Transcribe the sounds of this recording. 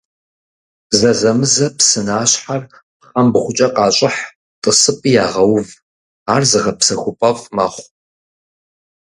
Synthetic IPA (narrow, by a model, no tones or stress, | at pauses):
zɐzɐmɨzɐpsɨnaːɕħar | χɐmbʁʷʊt͡ʃʼɐqʼɑːɕʼɪħ | tʼəsɨpʼijaːʁɐwv | aːrzɨʁɐpsɐxʷʊpʼɐvmɐ̰χʷ